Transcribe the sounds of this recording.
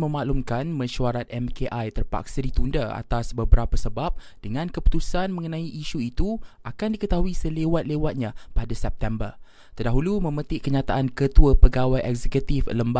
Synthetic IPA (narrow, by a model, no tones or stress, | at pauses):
mə̃maʔlumkanmə̃ʃuaɾat̪̚ɛmkeʔajt̪ərpa̰ksadit̪undaa̰t̪asbəbəɾapəsəbap̚ | d̥əŋãnkəpu̥t̪usanmə̃ŋənãiʔːʃuit̪uʔakandikət̪aɦuisəlewat̪̚lewat̪̚ɲãpadasɛp̚t̪ɛmbər | t̪ərdaɦulumə̃mə̃t̪ɪʔkəɲat̪aʔankət̪uəpəɡawajɛkzɛkut̪ifləmba